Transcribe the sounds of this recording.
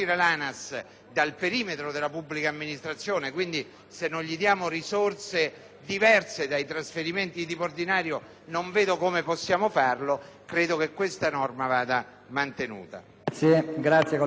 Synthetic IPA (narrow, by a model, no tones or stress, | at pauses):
iːɾelaːnas | d̪alpeɾiːmet̪ɾod̪elːapubːlikaːmːinist̪ɾat̪sːjoːnekwind̪i | senːonʎid̪jaːmorisort̪se | d̪ivɛrsed̪ajt̪ɾasfeɾiment̪id̪ipord̪inaːɾjo | noɱveːd̪okomepɔsːjaːmofarlokɾeːd̪okekːwest̪anɔrmavaːd̪a | mant̪enṵːt̪a̰ | seɡɾat̪sjek